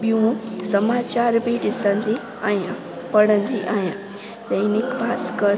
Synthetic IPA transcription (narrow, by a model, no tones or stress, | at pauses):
buũsəmat͡ɕaɾbʱiɖisə̃nd̪i | ajã | pəɽənd̪iʔaːjã | ɗəjnikbʱaːskəɾ